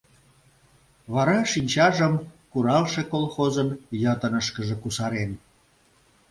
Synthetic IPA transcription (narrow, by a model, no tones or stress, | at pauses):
βɑɾɑʃinʲt͡ɕɑʒəmkuɾɑlʃekolxozənjət̪ənəʃkəʒĕkusɑɾen